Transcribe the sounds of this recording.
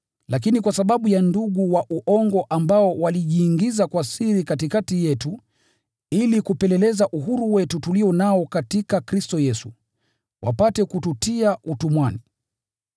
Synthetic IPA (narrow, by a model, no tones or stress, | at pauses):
lakinikwasaɓaɓujanduɠuwaʔuʔɔŋɡɔʔambaɔwaliʄiːŋɡizakwasiɾikatikatijɛtu | ilikupɛlɛlɛzaʔuɦuɾuwɛtutuliɔnaɔkatikakɾistɔjɛsu | wʔa̰patɛkututiaʔutumwani